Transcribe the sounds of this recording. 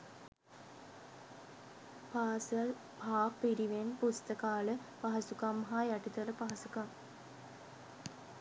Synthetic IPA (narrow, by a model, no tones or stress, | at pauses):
paːsɐl | bʱaːpːiɾiʋenpust̪əkaːləpaɦɐsukamːɦajaʈit̪ɐləpaɦɐsukam